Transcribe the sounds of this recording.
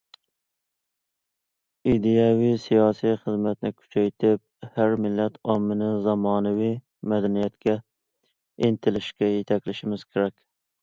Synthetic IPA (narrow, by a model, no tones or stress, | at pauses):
id̪ejɑwijsijɑːsijχəzmɛt̪nɪkʲʰy̥t͡ʃʰɛjt̪ʰɪp̚hæɾmɪlːɛt̪ʰɑmːɪnɪzɑmɑːnɨwij | mɛd̪ɛnijɛt̪kʲɛ | ent̪ʰɪlɪʃkʲɛjet̪ʰɛkʲlɪʃɪmɪz̥kʲʰeɾɛkʲ